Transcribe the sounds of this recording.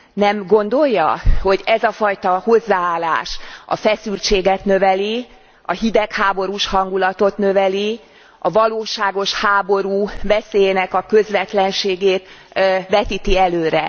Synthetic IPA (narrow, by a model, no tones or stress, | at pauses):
nɛmɡo̞nd̪o̞jːɒho̞ɟɛzɒfɒjt̪ɒho̞zːaːaːlːa̰ːʃɒ̰fɛsylt͡ʃeːɡɛt̪nø̞vɛli | ɒ̰hid̪ɛkhaːbo̞ɾuʃhɒŋɡulɒt̪o̞t̪nøvɛli | ɒvɒloːʃaːɡo̞ʃhaːbo̞ɾuːvɛseːjeːnɛkɒkø̞zʋɛt̪lɛnʃeːɡeːt̪ʋɛt̪it̪iɛløːɾɛ̰